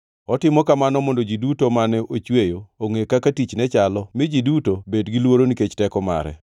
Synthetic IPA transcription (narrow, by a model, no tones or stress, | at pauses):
ɔtɪmɔkamanɔmondod͡ʒidutomanɛʔot͡ʃwejooŋekakatit͡ʃnɛt͡ʃalɔmɪd͡ʒidutobedɡilwoɾoniket͡ʃtɛkɔma̰ɾɛ̰